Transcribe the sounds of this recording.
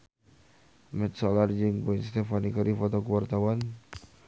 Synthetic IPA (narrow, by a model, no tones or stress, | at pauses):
mɛt̪̚sɔlard͡ʒɨŋpuinst̪ɛfanikaɾifɔt̪ɔkuwart̪awan